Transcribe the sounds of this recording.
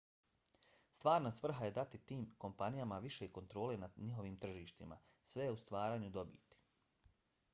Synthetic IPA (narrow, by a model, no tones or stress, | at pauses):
st̪ʋaːɾnasʋr̩ɦaje̞d̪at̪it̪iːmko̞mpanijamaʋiʃe̞iko̞nt̪ɾo̞ːle̞naɲiɦo̞ʋiːmt̪r̩ʒiːʃt̪ima̰ | sʋejeust̪ʋaːɾaːɲud̪o̞bḭːt̪i̥